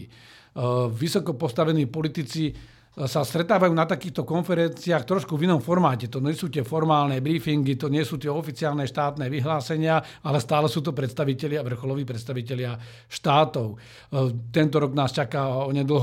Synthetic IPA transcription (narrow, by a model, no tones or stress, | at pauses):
ʋisɔkɔpɔst̪aʋɛniːpɔlit̪it͡si | sast̪ɾɛt̪aːʋajuːnat̪akiːxt̪ɔkɔnfɛɾɛnt͡siaːxt̪ɾɔʃkuvinɔmfɔɾmaːcɛt̪ɔɲɛsuːt̪ɪɛfɔɾmaːlnɛbɾiːfiŋɡit̪ɔɲɪɛsuːt̪ɪɛɔfit͡siaːlnɛʃt̪aːt̪nɛːʋiɦlaːsɛɲɪa | alɛst̪aːlɛsuːt̪̬ɔpɾɛt̪st̪aʋicɛlɪaʋr̩xɔlɔʋiːpɾɛt̪st̪aʋicɛlɪa | ʃt̪aːt̪ɔʊ | t̪ɛnt̪ɔɾɔɡnaːst͡ʃakaːɔɲɛd̪l̩ɦ